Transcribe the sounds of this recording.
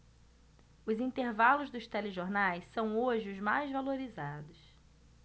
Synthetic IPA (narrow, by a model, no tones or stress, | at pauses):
ʊzĩnt̪eɾvalʊzd̪ʊst̪ɛleʒoɾnajsːɐ̃w̃oʒɪʊzmajzvaloɾizad̪ʊs